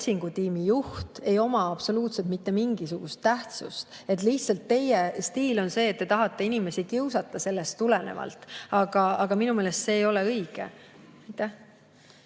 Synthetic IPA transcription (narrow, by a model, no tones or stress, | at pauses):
siŋɡ̥ut̪iːmijuht̪e̞jo̞mɑɑb̥so̞luːt̪set̪̚mit̪ːe̞miŋɡ̥is̬uɡ̥ust̪ːæht̪sṵst̪ | e̞t̪ːˑliht̪sɑlt̪ːe̞jest̪iːlo̞nse̞ːt̪̚ːe̞t̪ɑɦɑt̪ːˑe̞inime̞sikiwsɑt̪ːˑɑse̞lːe̞st̪ːulene̞̰vɑ̰lt̪ːˑɑɡ̥ɑɑɡ̥ɑminume̞ːlest̪se̞ːjo̞le̞ɤjɡ̥ḛ | ɑjt̪ːˑæh